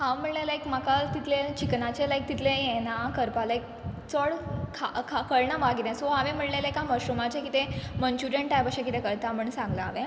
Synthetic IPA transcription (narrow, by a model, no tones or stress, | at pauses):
hãʋm̤əɽlelajkmakat̪it̪ʰlet͡ɕiknat͡ɕelajk̚t̪it̪ʰleenakəɾpalajk̚ | t͡səɭkʰakʰakəɭɳabaɡit̪ɛ̃sɔɦaʋẽm̤əɽlelajkãməɕɾumat͡ɕekit̪emənt͡ɕuɾə̃ɳʈːajbəkɕẽkit̪ekəɾt̪am̤əɳsãŋɡlaːʋe